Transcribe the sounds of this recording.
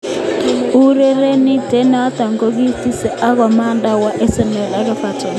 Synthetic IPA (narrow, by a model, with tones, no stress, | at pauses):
u˦ɾe˦ɾe˦ni˦dɛ˨˦na˨a˦ta˨ŋɡo˦ɣi˦θi˦sɛ˦ʔa˦ɣɔ˨ma˦nda˦wa˨ʔɛ˦sɛ˨mɛ˨la˨˦ɣɛ˦fa˨tɔ˨